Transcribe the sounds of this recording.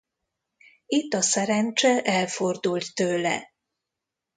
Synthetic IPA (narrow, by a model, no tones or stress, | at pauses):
it̪ːɒsɛɾɛnt͡ʃɛʔɛlford̪ult̪ːøːlɛ̰